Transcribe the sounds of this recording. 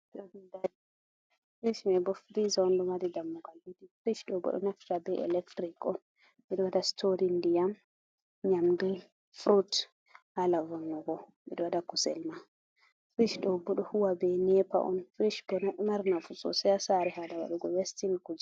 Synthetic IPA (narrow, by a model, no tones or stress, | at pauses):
ɗɔnindadi | fɾiʃmɛbɔfɾizaɔndɔmadidamːuɡalwidifɾiʃɗɔbɔ̰ɗɔ̰naftabɛʔɛ̰lɛktɾikɔn | mɛɗɔwadastʰoɾindijam | ɲamdul | fɾut | halavɔnːɔɡɔmɛɗɔwadakusɛ̰lma | fɾiʃɗɔbɔɗɔhuwabɛnɛpa̰ʔɔ̰nfɾiʃbɔnɔmaɾnafusɔ̰sɛasaɾɛɦadawa̰ɗuɡɔwestinkud͡ʒi